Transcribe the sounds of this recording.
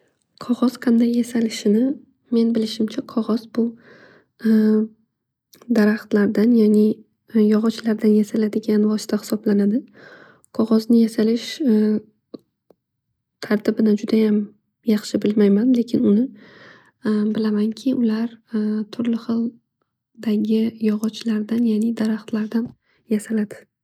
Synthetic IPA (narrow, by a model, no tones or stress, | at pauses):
qʰɒʁɒz̥qʰɑnd̪ajːasalɪʃɪnɪ | me̞nbɪlɪʃɪmt͡ʃʰaqʰɒʁɒzbʊ | d̪aɾaχt̪laɾd̪anjanɪ | jɒʁɒt͡ʃlaɾd̪anjasalad̪ɪɡʲanvɒsɪ̥t̪ʰahɪ̥sɒblanad̪ɪ | qʰɒʁɒznɪjasalɪʃ | t̪ʰaɾt̪ʰɪbɪnad͡ʒʊd̪ajam | jɑχʃɪbɪlmajmanle̞kʲʰɪnʊnɪ | bɪlamaŋkʲʰɪʔʊlaɾt̪ʰʊɾlɪχɨlˠ | d̪aɡʲɪjɒʁɒt͡ʃlaɾd̪anjanɪd̪aɾaχt̪laɾd̪an | jasalad̪ɪ̥